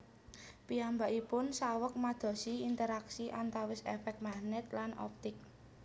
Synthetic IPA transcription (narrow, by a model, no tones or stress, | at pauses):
piambaʔipʊnsawək̚mad̪̥ɔ̤siint̪əɾaksiʔant̪awɪsɛ̰fɛk̚mahnɛt̪̚lanɔ̰p̚t̪ɪk̚